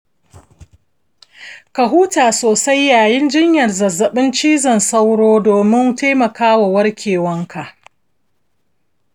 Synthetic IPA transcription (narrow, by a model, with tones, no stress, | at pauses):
kɐ˨ɦuː˦taː˨soː˨sa˦jːaː˨jɪ˦nd͡ʒɪ˦ɲjɐ˨rzɐ˨zːɐ˨ɓɪ˦nt͡ʃiː˦zɐ˨nsa˦wɽoː˦doː˨mɪ˦nteː˦mɐ˨kaː˦wa˨wɐ˦rkʲeː˨wɐ˦ŋkʰa˨ʔ